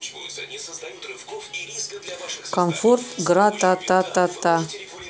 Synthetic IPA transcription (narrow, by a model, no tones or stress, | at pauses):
kʰamfort̪ɡɾat̪at̪at̪at̪a